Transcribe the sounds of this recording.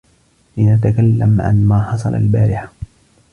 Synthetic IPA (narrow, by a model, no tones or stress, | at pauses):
lɪnat̪akalːamʕa̰nmaːħɑsˤɑ̰lʔa̰lbaːɾɪħḁ